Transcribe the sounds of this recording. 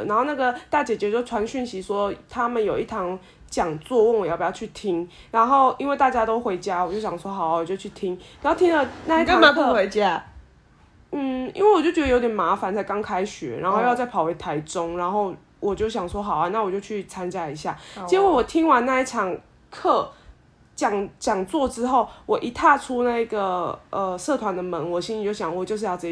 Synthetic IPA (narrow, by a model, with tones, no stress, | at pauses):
na˧˦nxo˥˧ʊna˥˩ɡə˨t̪a˥˩t͡ɕjɛ˨˩t͡ɕɥɛ˧˥jo˥˩ʈ͡ʂʰwa˧˦nɕy˥˩nɕi˧˦swɔ˦˥t̪ʰa˦mə˨njo˨˩ʊi˥˩t̪ʰɑ˧˥ŋ | t͡ɕjɑ˨˩ŋt͡swɔ˥˧wŋwjpjt͡ɕʰy˥˩t̪ʰi˦ŋ | ɻa˧˦nxo˥˩ʊi˥nwe˥˧ɪt̪a˥˩t͡ɕja˥t̪o˥ʊxwe˧˥ɪt͡ɕja˦˥wɔ˨˩t͡ɕjo˥˩ʊɕjɑ˨˩ŋswɔ˦˥xɑ˨˩ʊ˨wɔ˨˩t͡ɕjo˥˧ʊt͡ɕʰy˥˩t̪ʰi˦ŋ˨˩˥t̪ʰi˥ŋlə˨na˥˧i˥˩˥ma˨˦kʰwe˧˦ɪt͡ɕja˦ | n̩˥˨˩ḭ˥nwe˥˩wɔ˨˩t͡ɕjo˥˩ʊt͡ɕɛ˧˥d̪jo˧ʊt̪jʲɛ˨˩ma˧˥fa˨˦nt͡sʰa˥ɪkɑ˥˦ŋkʰa˦˥ɪɕy̰˨˦ɻa̰˧nxo˥˧ʊjɑ˥˧t͡sa˥˩ɪpʰɑ˨˩we˧˥ɪt̪ʰa˧˦ɪʈ͡ʂo˦ŋɻa˧˦nxo˥˩ʊ | wʔɔ˨˩t͡ɕjo˥˩ʊɕ̬jɑ˨˩ŋswɔ˦˥xɑ˨˩ʊa˦na˥˩wɔ˨˩t͡ɕjo˥˧ʊt͡ɕʰy˥˩t͡sʰa˦nt͡ɕja˦˥i˧˥ɕja̰˥˩i˥we˥˩wɔ˨˩t̪ʰi˦ŋwa˧˦na˥˧i˥˩ʈ͡ʂʰɑ˨˩ŋ | kʰɤ˥˩ | t͡ɕjɑ˨˩ŋt͡ɕjɑ˨˩ŋt͡swɔ˥˩ʈ͡ʂɻ̩˥˦xo˥˩ʊwɔ˨˩ʔi˧˥t̪ʰa˥˧ʈ͡ʂʰu˦na˥˧i˧˥ɡə˨˩ʔə˧sɤ˥˨t̪ʰwa˧˦nd̪ə˨mə˧˦ŋwɔ˨˩ɕi˥nli˨˩t͡ɕjo˥˩ʊɕjɑ˨˩ŋwɔ˨˩t͡ɕjʊʂ̬̩˥˧jɑ˥˩ʊt͡sə˧˩